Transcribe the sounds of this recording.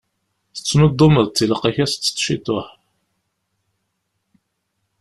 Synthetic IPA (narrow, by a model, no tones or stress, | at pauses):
θə̥t͡sːnod̪ˤːʊməðt͡s̪ːiləqæçæst͡sːə̥t͡sːʃit̪ːoħ